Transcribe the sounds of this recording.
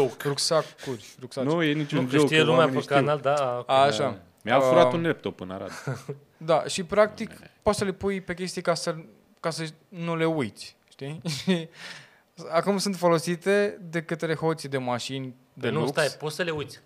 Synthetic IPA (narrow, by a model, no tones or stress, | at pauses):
okɾuksakurʲɾuksanujenit͡ʃud͡ʒʃt̪ijelumeaot̪kanald̪aaʃa | mjalfuɾaunep̚t̪opɨna̰ɾa̰t̪ | d̪aʃipɾak̚t̪ikpot̪səle̞pujpe̞kʲe̞st̪ijekasə | kasə | nule̞ujt̪sʲ | ʃt̪iʃi | akumsɨnt̪fo̞lo̞sit̪e̞d̪e̞kət̪ele̞xo̞t̪sʲid̪e̞maʃinʲ | d̪e̞nuuskt̪ajpot̪səle̞ujt̪sʲ